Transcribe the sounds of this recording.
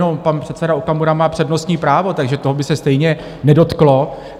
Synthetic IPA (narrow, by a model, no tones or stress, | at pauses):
nompanpr̝̥ɛt̪sɛdaukamuɾamaːpr̥ɛdno̞st̪ɲiːpɾaːvo̞t̪aɡʒɛt̪o̞ɦobɪsɛst̪ɛjɲɛ | nɛdo̞t̪klo̞